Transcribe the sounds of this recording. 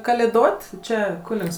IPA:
kɐlʲeːˈdoːtʲ ˈt͡ʃʲɛ ˈkʊnʲɪks

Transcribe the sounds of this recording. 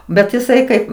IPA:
bʲɛt ɪˈsɐɪ ˈkɐɪp

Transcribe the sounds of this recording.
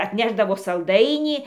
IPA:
ɐtʲˈnʲæːʒdɐʋoː sɐlˠˈdɐɪnʲiː

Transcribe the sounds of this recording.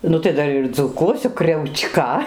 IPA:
ˈnʊ tɐɪ ˈdɐr ɪr d͡zuːˈkuɔsʲʊ krʲɛʊˈt͡ʃkɐ

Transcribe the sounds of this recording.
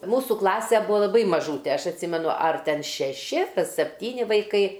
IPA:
ˈmuːsʊ ˈklˠɑːsʲɛ ˈbʊɐ lˠɐˈbɐɪ mɐˈʒuːtʲɛ ˈɐʃ ɐtʲˈsʲɪmʲɛnʊ ɐr ˈtʲɛn ʃʲɛˈʃʲɪ sʲɛpʲˈtʲiːnʲɪ ʋɐɪˈkɐɪ

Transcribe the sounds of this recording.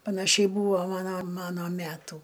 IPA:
pɐnɐˈʃʲɛɪ ˈbuːʋoː ˈmɑːnoː ˈmɑːnoː ˈmʲætuː

